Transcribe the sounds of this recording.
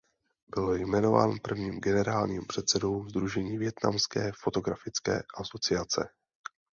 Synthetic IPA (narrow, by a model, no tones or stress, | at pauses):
bɪljmɛno̞va̰ːnpr̩vɲiːmɡɛnɛɾaːlɲiːmpr̝̥ɛt̪t͡sɛdowzd̪ɾuʒɛɲiːvjɛt̪na̰mskɛːfot̪o̞ɡɾafɪt͡skɛ̰ːʔaso̞t͡sɪat͡sɛ̰